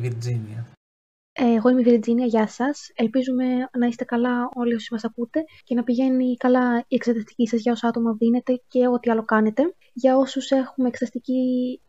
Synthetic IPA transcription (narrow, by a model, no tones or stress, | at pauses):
viɾd͡ziniɐ | eɣo̞imeviɾd͡ziniɐʝɐsɐse̞lpizume̞nɐiset̪e̞kɐlɐo̞lio̞simɐsɐkut̪e̞ce̞nɐpiʝe̞nikɐlɐiekseðɐst̪i̥cisɐzʝɐo̞soɐt̪o̞mɐðine̞t̪e̞ce̞o̞t̪iɐlo̞kɐne̞t̪e̞ | ʝɐo̞suse̞xumeeksðɐst̪ici